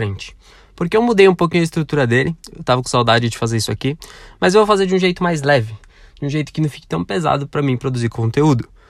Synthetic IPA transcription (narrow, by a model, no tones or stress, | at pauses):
ɾẽnt͡ʃɪ̥ | poɾkɪewmud̪ejũpowkĩɲʊɐɪst̪ɾut̪uɾɐd̪elɪewt̪avɐkõsawd̪ad͡ʒɪd͡ʒɪfazeɾisʊakimɐzewvowfazeɾd͡ʒiũʒejt̪ʊmajzlɛvɪ | d͡ʒɪũʒejt̪ʊkɪnɐ̃w̃fi̥kɪt̪ɐ̃w̃peza̰d̪ʊpɾɐmĩpɾod̪uziɾkõnt̪eud̪ʊ